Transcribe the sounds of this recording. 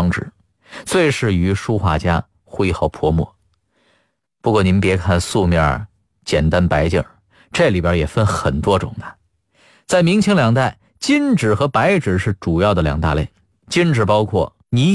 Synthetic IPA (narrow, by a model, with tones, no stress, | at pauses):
ŋʈ͡ʂɻ̩˨˩˦ | t͡swe˥˧ɪʂɻ̩˥˩y˧˥ʂu˥xwa̰˥˩t͡ɕja̰˥ | xwe˥˧ɪxɑ˥˩ʊpʰwɔ˥mwɔ̰˥˩ | pu˧˥kwɔ˥˩ni˧˥npjɛ˧˥kʰa˥˧nsu˥˧mjɑ̰˥˩ | t͡ɕjɛ˨˩nt̪a˥npa˧˥ɪt͡ɕjɤ̰˨˩ | ʈ͡ʂɤ˥˩li˨˩pjə˞˧˥jɛ˨˩fə˥nxə˨˩nt̪wɔ˥ʈ͡ʂʊ̰˨˩ŋd̪ə˦ | t͡sa˥˩ɪmi˧˥ŋt͡ɕʰi˧˥ŋljɑ˨˩ŋt̪a˥˩ɪ | t͡ɕi˥nʈ͡ʂɻ̩˨˩xɤ˧˥pa˧˥ɪʈ͡ʂɻ̩˨˩ʂɻ̩˥˩ʈ͡ʂu˨˩jɑ˥˩ʊd̪ə˩ljɑ̰˨˩ŋt̪a̰˥˧lḛ˥˩ɪ | t͡ɕi˥nʈ͡ʂɻ̩˨˩pɑ˥ʊkʰwɔ˥˩ | ni˧˥